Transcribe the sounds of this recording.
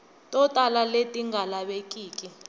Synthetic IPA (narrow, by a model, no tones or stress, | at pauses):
tʼɔtʼalaletʼiŋɡʱalaɓekʼiːkʼi